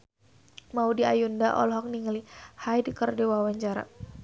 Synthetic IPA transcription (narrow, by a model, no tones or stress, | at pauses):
maudiajundaʔɔ̰lɔɦɔk̚niŋlihajdəkərdiwawaɲt͡ʃaɾa̰